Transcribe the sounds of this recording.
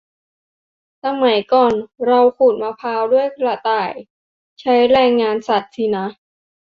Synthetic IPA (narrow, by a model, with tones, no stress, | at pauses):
sa˧ma˩˦jkɔː˨˩nɾa˧wkʰuː˨˩t̪̚maː˧pʰaː˧wdu˥˩əjkla˧t̪aː˨˩j | t͡ɕʰa˦˥jɾɛː˧ŋːaː˧nsa˨˩t̪̚sʰi˧˩na˦˥